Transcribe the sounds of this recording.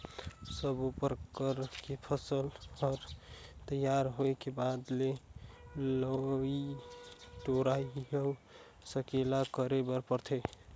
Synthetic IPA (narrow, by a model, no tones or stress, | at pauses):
səbupəɾkəɾkepʰəsəlɔɾt̪əjaɾɦojkebad̪le | ləi | ʈoɾajɦe | səkelakəɾebəɾpəɾt̪ʰe